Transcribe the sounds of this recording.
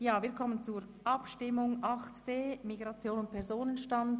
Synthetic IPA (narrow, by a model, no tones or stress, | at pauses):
jaːviːɐkʰɔmənt͡suɾ | ʔɑpʃtɪmʊŋʔɑχtd̥eːmiɡʁɑt͡sjoːnʊnt̚pʰɛɾzoːnənʃtɑnd